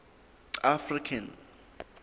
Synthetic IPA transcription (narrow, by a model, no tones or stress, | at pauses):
afrikʰan